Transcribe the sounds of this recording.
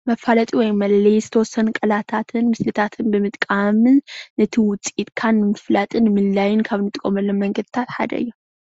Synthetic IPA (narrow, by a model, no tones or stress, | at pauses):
mɐfalɐt̪ʼiwɔjmɐllejzɨt̪ʰɐwɔsːɐnkʼɐlat̪ʰat̪ʰɨnmɨslɨt̪ʰat̪ʰɨnbɨmɨt̪ʼkʼamɨnːɨt̪ʰiwʊt͡sʼit̪kʰanːɨmɨflat̪ʼɨnmɨlːajɪnkʰaβnɨt̪ʼɨkʼːomɐlːommːɐŋɡɐd̪ɨt̪ʰat̪ħa̰d̪ɐ̰ʔɨ̰jːo